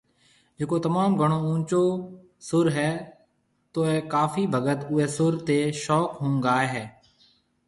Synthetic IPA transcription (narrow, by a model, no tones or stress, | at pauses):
d͡ʒekoːt̪əmaːmɡʱəɳoːũːt͡ʃoː | sʊɾɦɛː | t̪oːɛːkaːfʰiːbʱəɡət̪ʊeːsʊɾt̪eːʃɔːkɦũːŋɡaːeːɦɛː